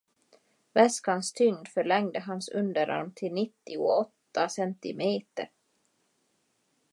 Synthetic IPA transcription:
vɛskanst̪ʰʏŋd̪fœɭɛŋd̪əɦansɵnd̪əɾa̰ɾmt̪ʰɪlnɪt̪ːɪʊ̰ɔt̪ːasɛnt̪ɪ̰meːt̪ə̰ɾ

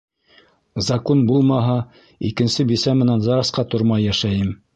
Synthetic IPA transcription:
zɑkonbulˠmɑɦɑ | ikɘ̆nsɘbisæmɘ̆nænzɑɾɑsqɑt̪ŏɾmɑjːæʃæjɘm

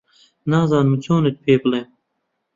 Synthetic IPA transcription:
naːzɑːnmit͡ɕoːnet̪̚pʰeːplem

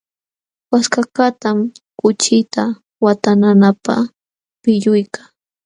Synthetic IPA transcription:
waskakat̪amkʊt͡ʃɪt̪a | wat̪ananapa̰ | pɪʎʊjka

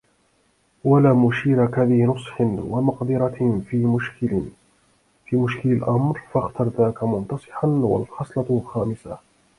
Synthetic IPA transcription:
walaːmʊʃiːɾakaðihnʊsˤħɪnwamɑqd̪ɪɾˤɑ | fiːmʊʃkɪlalʔamɾfɑxt̪ɑɾˤðaːkamʊnt̪ɑsˤɨ̥ħanwa̰lxɑsˤlɑxaːmɪsa

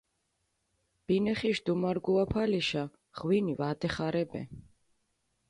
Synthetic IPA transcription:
b̥inɛχiʃd̪umaɾɡuapʰaliʃa | ʁwinivad̪ɛχaɾɛbɛ̰

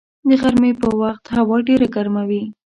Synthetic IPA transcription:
d̪əɣaɾmepəwaxt̪hawɑɖeɾaɡaɾmawi

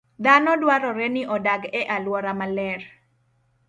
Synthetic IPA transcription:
d̪anɔdwaɾɔɾenɪʔɔdaɡɛʔalwɔɾamalɛr

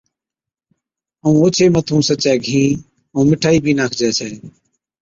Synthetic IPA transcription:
əũːoːt͡ʃʰeːmət̪ʰũːsət͡ʃɛːɡʱĩː | õːmɪʈʰaːiːbʱiːnaːkʰd͡ʒɛːt͡ʃʰɛː

